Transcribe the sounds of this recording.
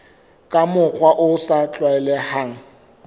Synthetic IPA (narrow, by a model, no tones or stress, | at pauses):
kʼamʊk͡xwaʔʊsat͡ɬʼwaɛlɛhaːŋ̩